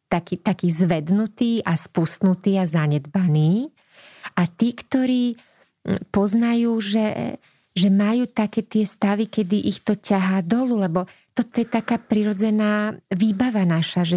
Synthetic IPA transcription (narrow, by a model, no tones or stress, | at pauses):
t̪akiːt̪akiːzʋɛd̪nut̪iːʔaspust̪nut̪iːazaɲɛd̪baniː | ʔat̪iːkt̪ɔɾiː | pɔznajuːʒɛ | ʒɛmajuːt̪akɛːt̪ɪɛst̪aʋikɛd̪iʔixt̪ɔcaɦaːd̪ɔlulɛbɔt̪ɔt̪ɔjɛt̪akaːpɾiɾɔd͡zɛnaːʋiːbaʋanaʃaʒɛ